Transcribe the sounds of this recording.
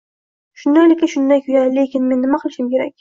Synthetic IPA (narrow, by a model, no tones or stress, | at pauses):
ʃʊnd̪ajlɪkʲːɪʃʊnd̪ajkʰʊjale̞kʲʰɪnme̞nːɪmaqʰʊlˠɪʃɪmkʲe̞ɾa̰kʲ